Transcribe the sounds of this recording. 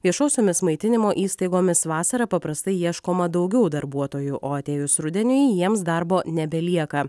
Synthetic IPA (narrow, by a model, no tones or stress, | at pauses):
ʋʲiɛʃoːsʲoːmʲɪsmɐɪt̪ʲɪnʲɪmoːʔiːst̪ɐɪɡoːmʲɪsʋɑːsɐɾɐpɐpɾɐst̪ɐɪjiɛʃkoːmɐd̪ɒʊɡʲɛʊd̪ɐɾbuɔt̪oːjuʔoːɐt̪ʲeːjʊsɾʊd̪ʲɛnʲʊjijiɛmsd̪ɐɾboːnʲɛbʲɛlʲiɛkɐ